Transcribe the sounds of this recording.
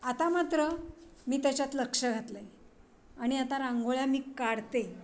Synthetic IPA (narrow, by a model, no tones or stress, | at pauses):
at̪amat̪ɾəmiːt̪jat͡ɕat̪ləkʂəɡʱat̪ləj | aɽ̃iat̪aɾãŋɡoɭjamiːkaɽt̪e